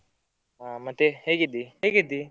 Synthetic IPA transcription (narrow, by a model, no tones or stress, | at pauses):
amɐt̪ːeheːɡid̪ːiɦeːɡid̪ːi